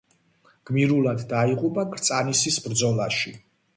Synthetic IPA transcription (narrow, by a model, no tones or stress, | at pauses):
ɡ̥miɾulˠad̪ːaiʁʼupʼakʰɾt̪sʼanisisbɾd̪zɔlˠaʃi